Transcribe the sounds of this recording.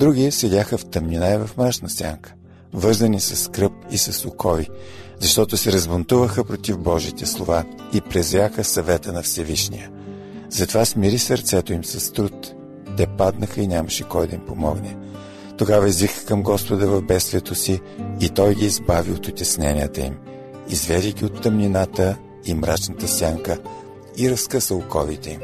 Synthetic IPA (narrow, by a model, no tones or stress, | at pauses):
d̪ɾuɡʲisɛdʲaxəft̪ɐmnʲinaɛvɐfmaʃnɐsʲa̰ŋkə̥ | vɤɾzənisɐskɾɤp̚isɐsʊkʰɔvizɐʃt̪ɔt̪ʊsɛɾɐzbont̪uvəxəpɾot̪ivbɔʒit̪ɛslˠova | ipɾɛzɾʲaxəsɐvɛt̪ənɐfsɛviʃnijə | zɐt̪ovasmiɾisɐɾt̪sɛt̪oimsɐst̪ɾut̪ː | ɛpad̪nəxəinʲaməʃɛkɔjd̪ɐimpomɔɡnɛ | t̪oɡavɐizvixə̥kəmɡɔspod̪əvɐvbɛt̪st̪vʲiɛt̪osiːt̪ɔjɡiːzbaviot̪ʊt̪ʲɛsnɛnʲiət̪əḭm | izvɛd̪iɡʲiot̪ːɐmnʲinat̪ə | imɾat͡ʃnət̪əsʲjaŋkə | iɾɐskəsəlʊkɔvit̪ɛim